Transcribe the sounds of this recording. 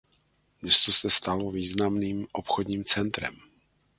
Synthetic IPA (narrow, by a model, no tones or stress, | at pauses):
mɲɛst̪o̞sɛst̪aloviːznamniːmʔopxodɲiːmt͡sɛnt̪ɾɛ̰m